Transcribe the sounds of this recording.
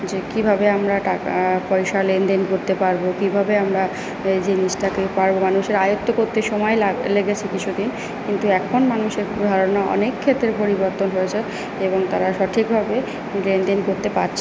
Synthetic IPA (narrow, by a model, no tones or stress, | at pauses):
d͡ʑekibʱabeamɾaʈaka̰pɔjʃalend̪enkoɾt̪epaɾbokibʱabeamɾa | d͡ʑenid͡ʑʈakepaɾbomanuʃeɾajot̪ːokoɾt̪eʃɔmɔelaleɡet͡ɕʰekit͡ɕʰud̪in | kint̪uɛkʰonmanuʃeɾd̪ʱaɾonaʔɔ̰nekʰːet̪ːɾepoɾiboɾt̪onɦoet͡ɕʰe | eboŋt̪aɾaʃɔʈʰikbʱabe | lend̪enkoɾt̪epaɾt͡ɕʰi